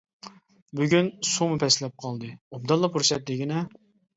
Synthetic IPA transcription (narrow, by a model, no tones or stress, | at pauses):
byɡʲynsumɨpʰɛslɛp̚qʰɑlˠd̪ɨob̚d̪ɑlˠːɑpʰuɾsɛt̪lɪɡʲinɛ